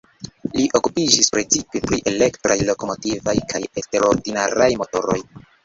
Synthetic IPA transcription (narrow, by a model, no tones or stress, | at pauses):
liʔo̞kupid͡ʒispɾet͡sipepɾiʔe̞le̞ktɾajlo̞ko̞mo̞tivajkʰaje̞ste̞ɾo̞ɾdinaɾajmo̞to̞ɾo̞j